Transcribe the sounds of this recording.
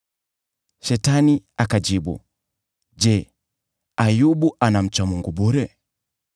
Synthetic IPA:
ʃɛtaniakad͡ʒiɓṵ | d͡ʒɛ | ajuɓuʔanam̩t͡ʃwamuŋɡuɓuɾɛ

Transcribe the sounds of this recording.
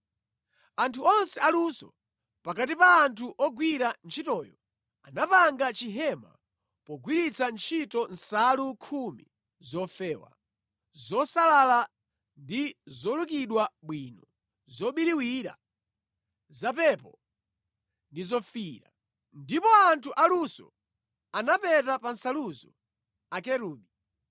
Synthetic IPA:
antʰuɔnsɛalusɔ̰ | pakat̬ipaːntʰuʔɔɡwiɾant͡ʃʰitɔːjɔ | anapaŋɡat͡ʃiɦɛma̰ | pɔɡwiɾit͡sʰant͡ʃʰitɔn̩salukʰumḭ | zɔfɛːwa̰ | zɔsalala | ndizɔlukiɗwaɓwiːnɔ | zɔɓiɾiwiɾa̰ | zapɛpɔ | ndizɔfiːɾa | ndipɔantʰuʔalusɔ̰ | anapɛtapansaluzɔ | akɛɾuːɓi

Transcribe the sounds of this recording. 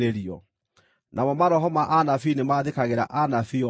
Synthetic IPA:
ɾeɾiɔ | nʔamɔmaɾɔɦɔmaʔanafinemaðekaɣeɾa̰ʔanafiɔ

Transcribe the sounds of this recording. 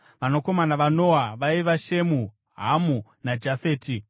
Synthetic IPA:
ʋano̞ko̞manaʋanoaʋaiʋaʃe̞mu | ɦamunad͡ʒafe̞ːti

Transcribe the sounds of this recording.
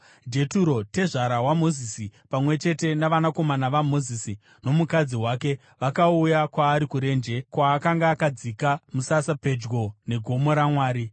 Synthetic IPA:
d͡ʒe̞tuɾo̞te̞ʐaɾaɦwamo̞zisipamwe̞t͡ʃe̞te̞naʋanako̞manaʋamo̞zisi | no̞mukad͡ziwaːke̞ | ʋakaujakwaːɾikuɾe̞ːnd͡ʒe̞kwaːkaŋɡaːkad͡zikamusasape̞d͡ʒɡo̞ne̞ɡʱo̞mo̞ɾamwaːɾi

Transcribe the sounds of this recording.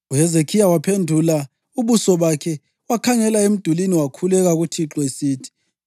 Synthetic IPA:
uɛzekʰijawapʰendʱula | uβusɔβakʰɛ | wakʰaŋɛlaem̩d̥ʱuliniwakʰulɛɣaɣutʰiǁɔesiːtʰi̥

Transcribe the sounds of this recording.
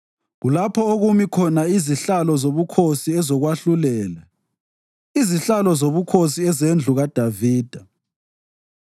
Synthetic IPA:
ɣulapʰɔoɣumikʰɔnaiziɬalɔzoβukʰosiɛzɔɣwaɬulɛːla | iziɬalɔzoβukʰosiɛzend͡ɮʱuɣad̥ʱaviːd̥ʱa

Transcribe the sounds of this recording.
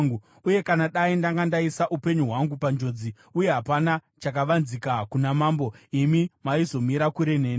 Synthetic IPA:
ŋɡu | uje̞kanaɗaindaŋɡandaisaʔupe̞ɲuɦwaŋɡupand͡ʒo̞d͡zi | uje̞ɦapana | t͡ʃak̬aʋanzikakunamaːmbo̞imimaizo̞miɾakuɾe̞neːni

